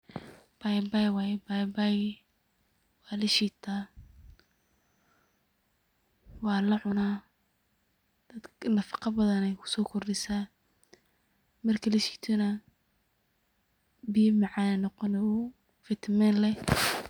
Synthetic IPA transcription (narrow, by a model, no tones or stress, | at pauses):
b̥ajbajwajbajbaj | wɑːlɐʃiːt̪ʰaː | wɑːlɐʕʊnaː | d̪̥ɐd̪nɐfɑ̥qɑbɐðɐnɛjkʰʊ̥sɔːkʰɔrdɪsaː | mɐrkʰɐlɐʃi̥t̪ʰʊnɐ | bijmɑʕɑnɛnɔqɔnɛʊ | fɪt̪ʰmɛːnlɛ